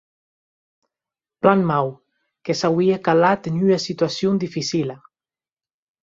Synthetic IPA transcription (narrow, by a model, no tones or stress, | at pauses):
planmaw | kesawiekalat̪enynasit̪yasjond̪ifisila